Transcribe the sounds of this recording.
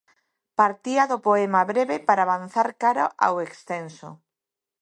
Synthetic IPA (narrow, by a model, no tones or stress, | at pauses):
paɾt̪iaðʊpoemaβɾeβepaɾaːβanθaɾkaɾa̰ʔa̰wekst̪enso̰